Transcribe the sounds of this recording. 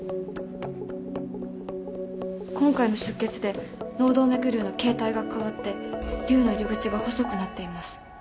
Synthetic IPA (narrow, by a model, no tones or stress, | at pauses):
kõ̞ŋkaino̞ɕɨkːe̞t͡sɨd̪e̞ | no̞ːd̪o̞ːme̞kɯ̟ɾʲɯ̟ːno̞ke̞ːt̪aiɡakaβat̪ːe̞ɾʲɯ̟ːnaɾʲoɡɯ̟t͡ɕiɡaho̞so̞kɯ̟nat̪ːe̞imasɨ̥